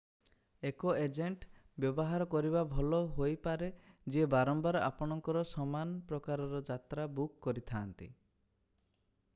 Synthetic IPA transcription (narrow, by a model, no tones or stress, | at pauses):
ekoed͡ʒeɳʈ | bjɔbɔɦaɾɔkɔɾibabʱɔlɔɦojpaɾed͡ʒiebaɾɔmbaɾɔʔa̰pɔɽ̃ɔŋkɔɾɔsɔmanpɾɔkaɾɔɾɔd͡ʒat̪ɾabukːɔɾit̪ʰaːnt̪ḭ